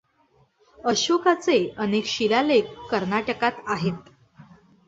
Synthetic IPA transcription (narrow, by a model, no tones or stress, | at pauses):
əɕokat͡seənekɕilalekːəɾnaʈəkat̪aɦet̪